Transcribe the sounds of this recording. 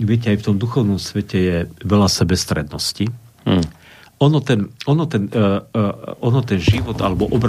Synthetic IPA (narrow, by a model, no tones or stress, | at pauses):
ʋɪɛcɛajft̪ɔmd̪uxɔʊnɔmsʋɛcɛjɛʋɛlasɛbɛst̪ɾɛd̪nɔsci | ɔnɔt̪ɛnɔnɔt̪ɛn | ɔnɔt̪ɛnʒiʋɔd̪alɛbɔʔɔbɾ